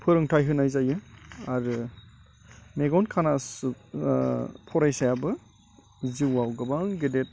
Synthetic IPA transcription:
pʰɯɾɯŋtʰajɦɯnajzajɯaɾɯ | meɡɔnkʰanasu | pʰɔɾajsajabɯ | ziwawɡabaŋɡedet̚

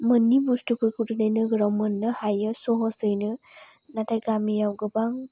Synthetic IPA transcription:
mənːibustupʰɯjkʰutɯnɯjnɯɡɾɔmːɯnːɯhajəsɔɦɔsɯjnɯ | natajɡamijawɡɯbaŋ

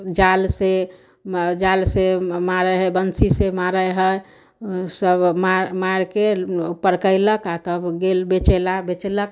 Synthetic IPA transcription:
d͡ʒalse | d͡ʒalsemaɾəɦəbənsisemaɾəjɦəj | səbmaɾmaɾkepəɾkəɪləkat̪əbɡelbet͡ʃelabet͡ʃelək̚

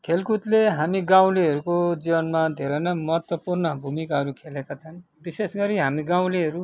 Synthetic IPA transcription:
kʰelkut̪leɦamiɡaw̃liɦʌɾukod͡zibʌnmad̪ʱeɾʌnʌmʌɦʌt̪wʌpurnʌbʱumikaɦʌɾukʰelekat͡sʰʌn | bisesɡʌɾiɦamiɡaw̃liɦʌɾu

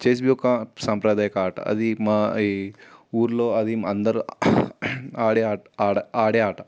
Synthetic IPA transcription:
t͡ʃeːs̬bjuːkɐsɐmpɾɐd̪aːjɐkɐaːʈɐ̰ʔɐ̰d̪imaː | uːɾloːɐd̪iɐnd̪ɐɾu | aːɽeaːɐaːɐaːɽeaːʈɐ

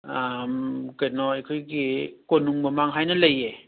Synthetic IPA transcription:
amkajnɔekʰojɡikonːuŋmɐmaŋɦajnɐlɐje

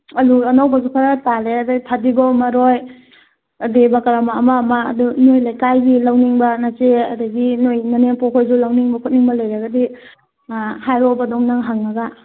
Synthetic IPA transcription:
ɐluɐnawbazukʰaɾataleɐdaɡitʰadiɡɔmaɾoj | debakaɾamaːmama̰ːdunojlajkajbilawniŋbanat͡ʃeadaɡinojnaneŋpɔkʰojzulawniŋbɐkʰut̚niŋbɐlajɾaɡadi | hajɾɔbadɔŋnaŋɦaŋnaɡa

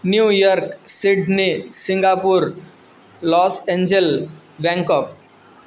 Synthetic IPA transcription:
njuːjɔɾksiɖnisiŋɡapuɾ | lɔseɲd͡ʑel | bɛ̃ŋkɔːp̚

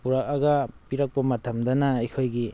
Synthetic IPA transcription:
puɾak̚ɐɡɐpiɾɐk̚pɐmɐtʰɐmdɐnaikʰojɡi

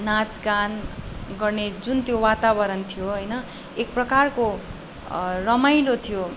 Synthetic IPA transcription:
nãd͡zkanɡʌrned͡zunt̪jowat̪abʌɾʌnt̪ʰijoɦʌjnʌ | ek̚prʌkarko | rʌmajlot̪ʰijo

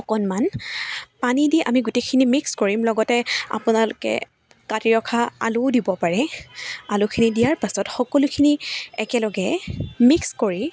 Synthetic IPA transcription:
ɔkɔnman | panidiʔa̰miɡʊtejkʰinimikskoɹimlɔɡɔtɛa̰pʊnalʊkɛ̰ | katɹiɹɔkʰaa̰lʊdibɔpaɹɛalʊkʰinidijaɹpasɔtxɔkɔlʊkʰiniɛkɛlɔɡɛmikskoɹi

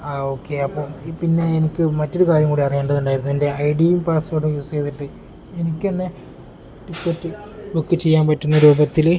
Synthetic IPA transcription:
aːoːkːe̞ɐpːo̞ːɭpinːe̞ːnikʲːɨmɐtːo̞ɾukaːɾjɐmkuːɽiɐrijeːɳɖɐðuɳɖaːjiɾunːuende̞ɐjɖijumpaːsfoːɽɨmjuːst͡ɕe̞jt̪iʈːɨ | enikʲːɨɐnːe | ʈikːetːɨ | bukːɨt͡ɕejːaːnpɐtːunːɐɾuːbɐt̪ːil

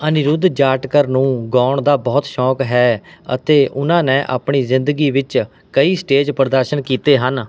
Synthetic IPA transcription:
ənɪɾʊd̪d͡ʒaːʈkəɾnũːɡɔːɳd̪aːbɔːt̪ʃɔːkɦɛːə̰t̪eːʔʊnãːnɛ̃ːʔa̰ːpɳ̃iːzɪ̃nd̪əɡiːʋɪt͡ʃ | kəiːsʈeːd͡ʒpəɾd̪əɾʃənkiːt̪eːɦən

